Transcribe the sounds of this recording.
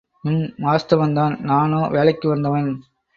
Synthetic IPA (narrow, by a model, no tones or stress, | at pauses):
ɪnmaːst̪ɐʋɐnd̪aːnnaːnoːʋeːɭɐɪkːɯʋɐnd̪ɐʋɐn